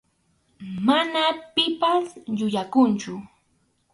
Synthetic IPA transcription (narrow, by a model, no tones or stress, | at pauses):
manapɪpasʎʊʎakʊnt͡ʃʊ